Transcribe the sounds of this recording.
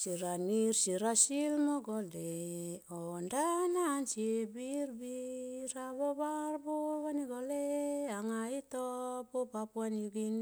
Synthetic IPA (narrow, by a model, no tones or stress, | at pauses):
siɾanirsiɾasilmoɡoleondanansibirbiɾaβobarboβaniɡoleaŋait̪opopapuanjuɡin